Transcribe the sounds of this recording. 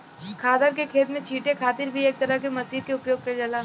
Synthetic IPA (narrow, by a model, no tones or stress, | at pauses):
kʰaːd̪əɾkekʰeːt̪mẽt͡ʃʰiːʈekʰaːt̪ɪɾbʱieːk̚t̪ɐɾəɦkemɐsiːɾkeʊpjoːʊɡ̚kɐɾd͡ʒɐlaː